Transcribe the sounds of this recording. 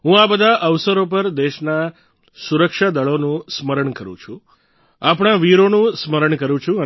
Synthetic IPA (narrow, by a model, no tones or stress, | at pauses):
ɦũabəd̪ʱaʔəʋsəɾopəɾd̪eʃna | suɾəkʃad̪əɭonũsməɾəɳkəɾṵ̃t͡ʃʰũ | apɽ̃aʋiɾonũsməɾəɳkəɾũt͡ʃʰũə